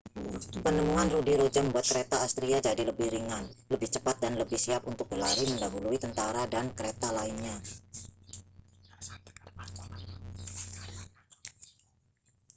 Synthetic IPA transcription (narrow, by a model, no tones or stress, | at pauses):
pənəmuanrudiɾod͡ʒaməmbuat̪̚kəɾet̪aːst̪ɾiad͡ʒadiləbɪhɾiŋanləbɪht͡ʃəpat̪̚danləbɪhsiap̚unt̪ʊk̚ɡəlaɾiməndaɦuluit̪ənt̪aɾadankəɾet̪alaɪnɲa